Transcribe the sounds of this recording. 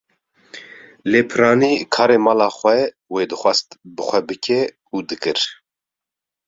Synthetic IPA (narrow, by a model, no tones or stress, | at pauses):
leːpʰɨɾɑːniːkʰɑːɾeːmɑːlɑːxʷɛ | weːd̪ɨxʷɑst̪bɨxʷɛbɨkʰɛ | uːd̪ɨkɨɾ